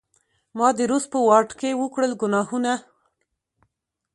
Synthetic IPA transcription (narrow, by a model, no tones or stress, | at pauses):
mɑd̪əɾus̚pəwɑʈkewəkɽəlɡʊnɑhuna